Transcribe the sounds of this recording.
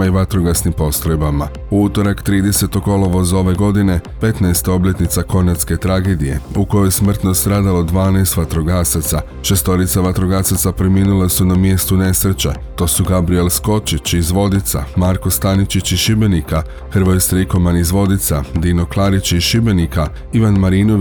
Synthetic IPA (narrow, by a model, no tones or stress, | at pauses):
iʋat̪ɾoɡasnimpo̞st̪ɾojbama | uut̪o̞ɾakt̪ɾiːd̪e̞se̞t̪oɡo̞lˠoʋo̞zo̞ʋe̞ɡo̞d̪ine̞pe̞t̪naest̪o̞bʎe̞t̪nit̪sako̞nat̪ske̞t̪ɾaːɡe̞ːd̪ije̞̰uko̞jojesmr̩t̪no̞st̪ɾaːd̪alo̞d̪ʋaːnajst̪ʋat̪ɾoɡasat̪sa | ʃe̞st̪o̞ɾit̪saʋat̪ɾoɡasat̪sapɾemiːnulesunamje̞st̪une̞sɾet͡ɕḛ | t̪o̞ːsuɡabɾie̞lsko̞t͡ʃit͡ɕizʋo̞d̪it̪sa̰maɾko̞st̪anit͡ʃit͡ɕiʃibe̞nika | xr̩ʋojst̪ɾiko̞manizʋo̞d̪it̪sad̪ino̞klˠaɾit͡ɕiʃibe̞nika | iʋanmaɾiːno